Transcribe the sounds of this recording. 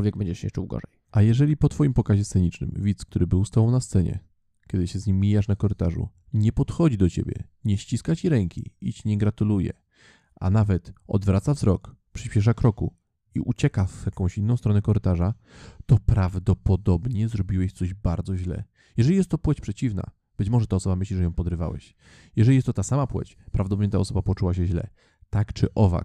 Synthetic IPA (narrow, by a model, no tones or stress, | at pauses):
ɔlvʲɛɡ̚bɛɲd͡ʑɛɕɛ̰t͡ʂṵwɡɔ̰ʐɛjʔajɛʐɛlʲipɔt̪fɔjimpɔkaʑɛst̪sɛɲit͡ʂnɘ̰mvʲit̪skt̪uɾɘbɘwst̪awɔ̃w̃nast̪sɛɲɛ̰ | kʲɛd̪ɘɕɛzɲimʲːijaʂnakɔɾɘt̪aʐṵ | ɲɛpɔt̪xɔd͡ʑid̪ɔt͡ɕḛbʲjɛ̰ | ɲɛɕt͡ɕiskat͡ɕiɾɛŋkʲḭit͡ɕɲɛɡɾat̪ulujɛ̰ | ʔa̰navɛt̪ɔ̰d̪vɾat̪savzɾɔk | pʂɘɕpʲɛʂ̬akɾɔku | ḭʔut͡ɕɛkavjakɔ̃w̃ɕinːɔ̃w̃st̪ɾɔnɛkɔɾɘt̪aʐa | t̪ɔpɾavd̪ɔpɔd̪ɔbɲɛzɾɔbʲiwɛɕt̪sɔʑbaɾd̪zɔʑlɛ̰ | jɛʐɛlʲijɛst̪ːɔpwɛt͡ɕpʂɛt͡ɕivna̰ | b̥ɘt͡ɕmɔʐɛt̪aɔsɔbamɘɕliʐɛjɔ̃w̃pɔd̪ɾɘva̰wɛ̰ɕ | jɛʐɛlʲiɛst̪ɔt̪asamapwɛ̰t͡ɕ | pɾavd̪ɔd̪ɔbmɲɛt̪a̰ɔsɔbapɔt͡ʂuwaɕɛʑlɛ̰ | t̪akt͡ʂɘ̰ʔɔva̰